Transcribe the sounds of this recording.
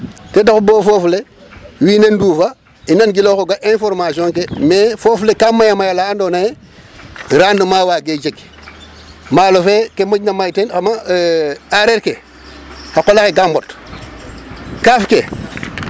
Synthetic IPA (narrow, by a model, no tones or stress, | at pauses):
tedaxuboːfoːflewiːnenduːfa | inanɡiloːkoɡaʔẽnfoɾmasiõŋkemefoːflekamajamajalaandoːnaje | ɾaːndumaːwaːɡed͡ʒeɡ | maːlofeːkemoɟnamajtenxama | aɾeːɾke | hakolaxeɡambot | kaːfke